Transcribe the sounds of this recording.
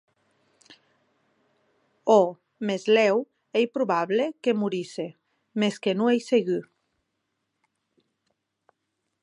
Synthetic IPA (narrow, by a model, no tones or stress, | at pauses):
o | mezlɛw | ejpɾuβaβlekemuɾise | meskenũejseɣy